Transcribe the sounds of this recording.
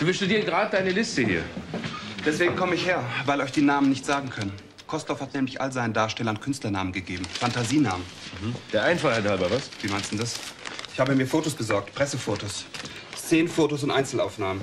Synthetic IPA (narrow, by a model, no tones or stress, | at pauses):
d̥uːvɪlsʃtudiːənɡʁaːdədaɪnəlɪstəhḭːɐ | d̥ɛsv̥eːɡŋ̩kʰɔməɪçheːɐvaɪlɔʏçd̥iːnaːmənɪçtz̥aːɡŋ̩kʰœnən | kʰɔstɔfhatnɛːmlɪçʔa̰lzaɪnədaːɐʃtɛlɐnkʰʏnstlɐnaːmənɡəɡeːbm̩fantaziːna̰ːmən̩d̥eːɐʔaɪnfaχhɛthalbavasv̥iːmaɪnstdn̩dasʔɪçhaːbəmiːɐfoːtosb̥əzɔɐk̚tpʁ̥ɛsəfoːtos | t͡seːnfoːtos̬ʊntʔaɪnt͡sl̩aʊfnaːmən